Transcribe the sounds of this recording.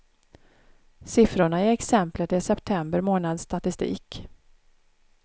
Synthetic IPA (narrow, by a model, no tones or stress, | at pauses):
sɪfɾʊɳaɪɛksɛmplət̪ɪsɛpt̪ʰɛmbəɾmoːnad̪st̪at̪ɪst̪ḭːk